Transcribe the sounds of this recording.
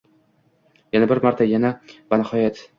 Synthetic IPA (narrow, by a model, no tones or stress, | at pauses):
janabɪɾmaɾt̪ʰajanabanɪhɒjat̪